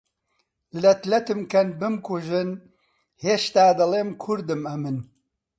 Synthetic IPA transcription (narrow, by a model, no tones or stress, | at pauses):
lɐt̪lɐt̪ɨmkʰɐnbɨmkʰuʒɨn | heːʃt̪aːd̪ɨleːmkʰʊɾd̪ɨmɐmɨn